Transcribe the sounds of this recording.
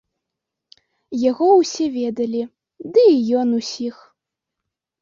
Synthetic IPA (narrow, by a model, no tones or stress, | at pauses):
jaɣɔwsʲɛvʲɛd̪ɐlʲi | d̪ɨjɔnusʲix